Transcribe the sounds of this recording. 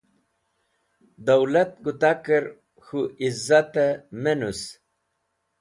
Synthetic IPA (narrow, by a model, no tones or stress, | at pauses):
d̪awlɐt̪̚ɡut̪akəɾ | xuʔizat̪emenus